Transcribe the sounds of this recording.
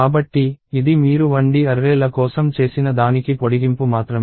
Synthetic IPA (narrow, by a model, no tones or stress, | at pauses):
aːbɐʈːiːd̪imiːɾuʋɐɳɖiɐɾːeːlɐkɔːsɐmt͡ʃe̞ːsinɐd̪aːnikipoɽiɡimpumaːt̪ɾɐm